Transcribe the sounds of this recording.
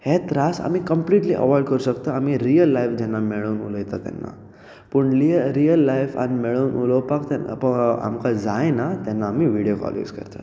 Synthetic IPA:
het̪ɾasa̰miːkəmpliːʈliʔə̰ʋɔjɖkəɾuɕəkt̪əamiɾijəlːajfd͡ʑɛnːameɭuːnṵləjt̪at̪ɛ̰nːa̰ | pəɳliɾijəlːajfa̰nimeɭuːnʔuləwpakt̪ɛpəa̰mkad͡zajnat̪ɛnːaːmiʋiɽjofɔ̰ljṵːskə̰ɾt̪ḁ

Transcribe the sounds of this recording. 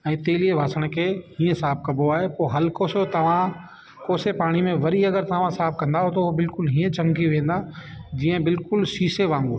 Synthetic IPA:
ɛ̃ːt̪eːlieʋaːsəɽ̃kʰeːhĩːə̃saːb̚kɐboaːɦepoːɦɐlkoːsot̪ɐʋ̤ã | koːsepaːɽ̃imẽʋɐɾiɐɡəɾt̪ɐʋ̤ãsaːb̚kɐ̃nd̪aɦot̪ɐʊɦobɪlkʊlɦiːə̃d͡ʑʰʱɐ̃ŋɡiʋẽːn̆d̪ad͡ʑiːə̃bɪlkʊlsiːseʋãːŋɡo

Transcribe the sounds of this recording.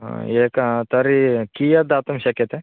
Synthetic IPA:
eːkɐt̪ɐɾikijɐd̪aːt̪ɐmɕɐkːɐt̪e

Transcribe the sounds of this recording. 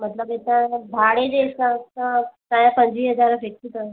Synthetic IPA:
m̤ət̪ləbet̪abʱaɽed͡ʑesãt̪at̪ãjãpəɲd͡ʑʋiːɦəd͡zaɾəfek̚t̪it̪ə

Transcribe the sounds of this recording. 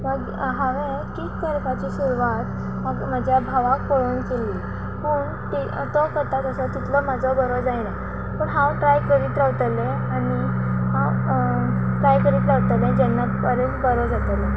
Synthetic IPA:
məɡ | ɦaʋẽ | kikkəɾkat͡ɕiːɕuɾuʋat̪ | məɡm̤ad͡ʑʱjabʱaʋak̚pəɽuːnkelːi | pəːɳ | t̪i | t̪ɔkəɾt̪at̪əsɔt̪it̪lɔmad͡zɔbəɾɔd͡zajna | pəɳɦãwʈɾajkəɾiːt̪ɾaʋt̪əlɛ̃ | aniɦãw | ʈɾajkəɾiːt̪ɾaʋt̪əlɛ̃d͡ʑɛnːapəɾənbəɾɔd͡zat̪əlɛ̃

